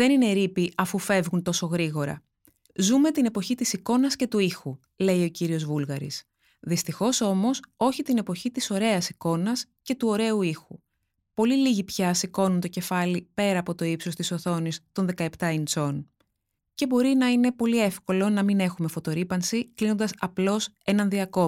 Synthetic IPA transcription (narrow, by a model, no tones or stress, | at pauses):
ðe̞nine̞ɾipiɐfufe̞vɣunt̪o̞so̞ɣɾiɣo̞ɾɐ̰ | zume̞t̪ine̞po̞çit̪isiko̞nɐsce̞t̪uixu | le̞io̞ciɾio̞zvulɣɐɾḭs | ðist̪ixo̞so̞mo̞so̞çit̪ine̞po̞çit̪iso̞ɾe̞ɐsiko̞nɐsce̞t̪uo̞ɾe̞uixu | po̞liliʝipçɐsiko̞nunt̪o̞ce̞fɐlipe̞ɾɐːpo̞t̪o̞ipsost̪iso̞θo̞nist̪o̞nðe̞kɐe̞pt̪ɐint͡so̞n | ce̞bo̞ɾinɐine̞po̞lie̞fko̞lo̞nɐmine̞xume̞fo̞t̪o̞ɾipɐnsiklino̞nd̪ɐsɐplo̞se̞nɐnðiɐko̞